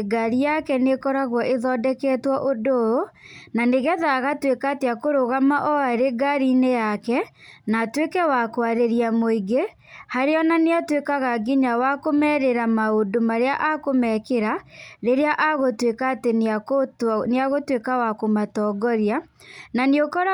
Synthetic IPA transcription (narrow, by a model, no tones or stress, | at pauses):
ɡaɾijakɛnekɔɾaɣwɔʔeðɔdɛkɛtwɔʔodoonaneɣɛðaɣatwekaːteakoɾoɣamaʔɔaɾeɡaɾinejakɛnatwekɛwakwaɾeɾiamoiɡe | haɾeɔnaneatwekaɣaɡiɲawakomɛɾeɾamaodomaɾeaʔakomɛkeɾaɾeɾeaʔaɣotwekaːteneakoneaɣotwekawakomatɔɡɔɾjananeokɔɾa